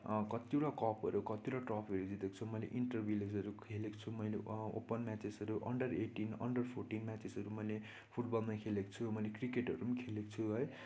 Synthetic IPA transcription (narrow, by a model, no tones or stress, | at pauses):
kʌt̪iuɽakʌpʌ̰ɾukʌt̪iuɽaʈrʌpʰiʌɾud͡zit̪eko̥t͡sʰumʌjlḛʔiɳʈʌrbiled͡zʌɾukʰeleko̥t͡sʰumʌjleo̰pʌnmat͡sesʌɾuʔʌ̰ɳɖʌreʈinʌ̰ɳɖʌrpʰorʈinmat͡sesʌɾumʌjle | pʰuʈbʌlmʌkʰeleko̥t͡sʰumʌjlekrikeʈʌɾumkʰeleko̥t͡sʰuɦʌj